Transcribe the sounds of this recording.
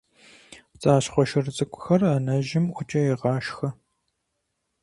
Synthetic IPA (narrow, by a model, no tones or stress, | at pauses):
t͡sʼaːɕχʷɔʃɪrɨt͡sʼɨkʷʼʊ̥xɐrɐnɐʒɪmʔʷʊt͡ʃʼɐjeʁɑːʃxɐ